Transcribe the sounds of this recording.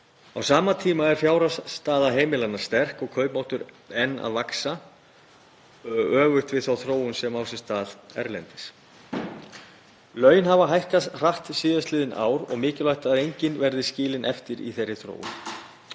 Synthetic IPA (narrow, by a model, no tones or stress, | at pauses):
awsaːmat̪ʰiːmaɛɾ̥fjaːwɾast̪aːðaɦeːjmɪlanḁst̪ɛr̥kɔɣkʰœːɥpmawht̪ʏɾ | ɛnːa̰ðvaksa | œːɣʏxt̪vɪðθawθɾoːwʏnsɛmawsɛst̪aːðɛ̰ɾlɛnt̪ɪs | lœːɥjɪnɦavaɦajhkar̥aht̪siːðaslɪːðɪna̰ːwɾɔ̰ɣmɪːcɪlajht̪aðejɲcɪnvɛɾðɪscɪːlɪnʔɛft̪ɪɾḭθejɾːɪθɾo̰ːwʏ̰n